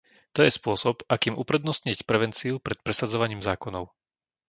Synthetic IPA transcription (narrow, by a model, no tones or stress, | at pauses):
t̪ɔjɛspʊɔsɔbakiːmʔupɾɛd̪nɔstɲicpɾɛʋɛnt͡siupɾɛt̪̚pɾɛsad͡zɔʋaɲiːmzaːkɔnɔʊ